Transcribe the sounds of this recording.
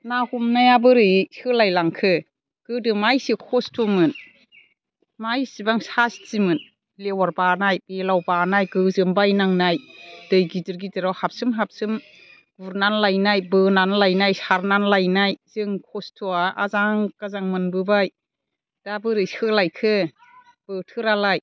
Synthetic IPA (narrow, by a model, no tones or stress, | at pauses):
nahumnajabɯɾɯsɯlajlaŋkʰɯ | ɡ̥ɯdɯmajsikʰɔstʰumɯn | majsibaŋsast͡ʃimɯn | lewaɾbanajbelawbanajɡɯzɯmbajnaŋnajdɯjɡidɯɾɡidɯɾawhap̚sɯmɦap̚sɯm | ɡ̥uɾnanlajnajbɯnanlajnajsaɾnanlajnajz̥ɯŋkʰɔstʰuaʔazaŋkazaŋmɯnbɯbaj | d̥abɯɾɯjɯlajkʰɯ | b̥ɯtʰɯɾalaj